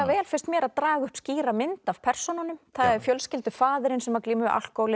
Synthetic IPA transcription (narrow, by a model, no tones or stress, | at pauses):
avɛːlfɪrst̪mjɛːɾaðt̪ɾaːɣʏhpsciːɾamɪnt̪av̥pʰɛr̥sɔnanːʏmθaðɛɾfjœlscɪlt̪ʏfaːðɪɾɪnsɛmaɾkliːmʏʔa̰l̥kɔːwlɪ